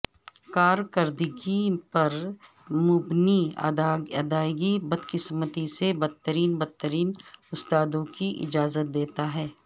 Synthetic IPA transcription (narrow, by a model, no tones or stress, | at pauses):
kaːɾkəɾd̪ɪɡipɐɾ | mʊbniɐ̰d̪aɐd̪aːɪɡibɐd̪kɪsmət̪isebɐd̪̚t̪ːəɾiːnbɐd̪̚t̪ːəɾiːnʊst̪aːd̪õkiʔɪ̰d͡ʒaːzət̪̚d̪eːt̪aɦɛː